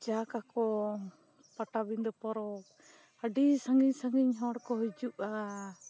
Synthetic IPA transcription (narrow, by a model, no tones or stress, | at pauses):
d͡ʒakakɔ | paʈabind̪ɔpɔɾɔk̚ | əɖisaŋɡiɲsaŋɡiɲɦɔɽkɔɦɔd͡ʒuʔa